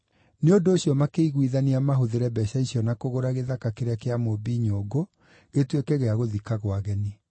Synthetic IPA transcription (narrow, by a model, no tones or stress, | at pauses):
neondoːɕjɔmakeiɣwiðaniamaɦoðeɾɛbɛɕaisiɔnakoɣoɾaɣeðakakeɾeakeamobiːɲoɡo | ɣetwekɛɣeaɣoðikaɣwaɣɛni